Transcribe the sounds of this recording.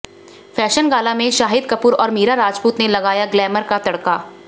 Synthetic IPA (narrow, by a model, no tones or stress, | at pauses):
fɛːʃənɡaːlamẽʃaːɦɪd̪kɐpuːɾɔːɾmiːɾaɾaːd͡ʒpuːt̪nelɐɡaːjaɡlɛːməɾkat̪ɐɽkaː